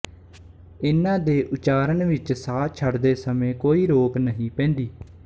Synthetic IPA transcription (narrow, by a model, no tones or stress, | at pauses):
ɪnãːd̪eːʔʊt͡ʃaːɾənʋɪt͡ʃsaːt͡ʃʰəɖd̪eːsəmẽːkoːiːɾoːpnəɦĩːpɛ̃ːnd̪iː